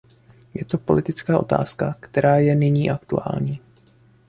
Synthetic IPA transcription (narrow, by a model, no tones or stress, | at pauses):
jɛt̪o̞po̞̰lɪt̪ɪt͡skaːʔo̞̰t̪a̰ːskakt̪ɛɾaːjɛnɪɲiːʔakt̪ua̰ːlɲiː